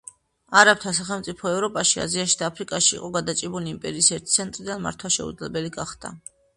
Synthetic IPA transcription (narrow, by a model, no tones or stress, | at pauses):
aɾap̚t̪ʰasaχɛlˠmt̪sʼipʰɔɛvɾɔpʼaʃia̰ziaʃid̪aːpʰɾikʼaʃḭːqʼɔɡad̪at͡ʃʼibuliːmpʼɛɾiːsɛɾt̪ʰit̪sʰɛnt̪ʼɾid̪anma̰ɾt̪ʰwaʃɛ̰ud̪zlɛbɛliɡaχd̪̥a̰